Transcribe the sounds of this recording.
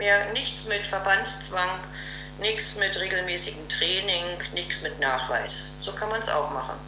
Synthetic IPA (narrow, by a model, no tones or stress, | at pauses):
meːɐnɪçt͡smɪtfɛɐbanst͡sv̥aŋ | nɪçsmɪtʁeːɡl̩mɛːsɪɡŋ̩tʁ̥ɛːnɪŋnɪçsmɪtnaːχv̥a̰ɪsz̥oːkʰanmansʔa̰ʊxmaχn̩